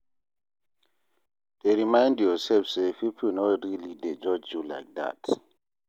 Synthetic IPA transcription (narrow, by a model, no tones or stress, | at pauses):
d̥eɹimãj̃ndjɔsɛlfsepipʰl̩nɔtɹilided͡ʒɔd͡ʒjula̰jk̚da̰t